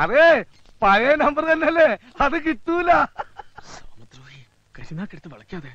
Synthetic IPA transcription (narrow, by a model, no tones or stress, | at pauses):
ɐðeː | pɐɾɐnɐmbɐrt̪ɐnːeɐlːe̞ | ɐðɨk̬it̪ːuːlːasɐːmɐt̪ɾoi | kɐɾinaːkːeɽɐt̪ːɨʋɐɭɐkːijaːðe